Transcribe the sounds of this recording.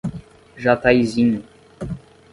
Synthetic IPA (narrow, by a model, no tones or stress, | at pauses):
ʒat̪ajzĩɲʊ